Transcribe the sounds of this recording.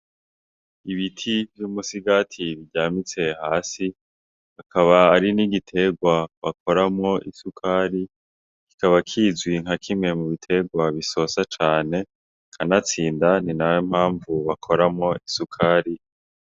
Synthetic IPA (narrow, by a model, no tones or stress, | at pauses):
iβitʰivjumusiɡatʰiβiɟaːmit͡se̞haːsi | hakʰaβaːɾiniɡitʰe̞ɡwaβak̚ʰo̞ɾamŋo̞ʔisukʰaːɾi | kikaβakʰizwiŋ̥hakʰimŋe̞muβitʰe̞ɡwaβiso̞sat͡ʃaːne̞ | kʰanat͡siːndaninawem̥haːɱvuβakʰo̞ɾamŋo̞isukʰaɾi